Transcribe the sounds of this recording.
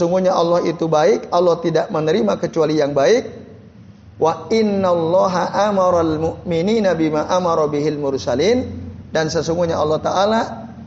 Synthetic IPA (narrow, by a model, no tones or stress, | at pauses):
əsuŋɡuɲaɑlːɔhit̪ubaɪk̚ɑlːɔht̪idaʔmənəɾimakət͡ʃualijaŋbaɪk̚ | waɪnːalːɑɦaʔamɑɾalmʊʔmininabimaʔamɑɾˤɑbiɦilmʊrsalindansəsuŋɡuɲaɑlːɑht̪aʔala